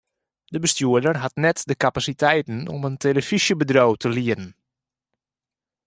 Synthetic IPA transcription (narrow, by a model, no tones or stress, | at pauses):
dəbəstjuədərɦatnɛtdəkapasitʰɛjtən̩ɔ̰məntʰeləfisjəbədrowtʰəliəɾən̩